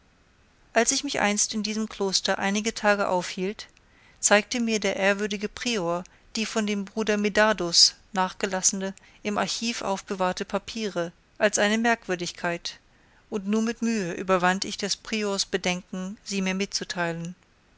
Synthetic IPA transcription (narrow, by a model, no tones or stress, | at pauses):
ʔalsɪçmɪçʔa̰ɪnstɪndiːzəmkl̥oːstɐʔa̰ɪnɪɡətʰaːɡəʔa̰ʊfhiːlt | t͡saɪk̚təmiːɐdeːɐʔeːɐvʏɐdɪɡəpʁ̥iːoːɐ | d̥iːfɔndeːmbʁuːdɐmedaːdosnaːχɡ̥əlasn̩ə | ʔɪmʔa̰ɐçiːfʔa̰ʊfb̥əvaɐtəpʰapʰiːʁə | ʔalsʔaɪnəmɛɐkv̥ʏɐdɪçkʰaɪt | ʔʊntnuːɐmɪtmyːəʔy̰ːbɐvantɪçd̥aspʁ̥ioɐsb̥ədɛŋkŋ̩ziːmiːɐmɪt͡sutʰaɪlən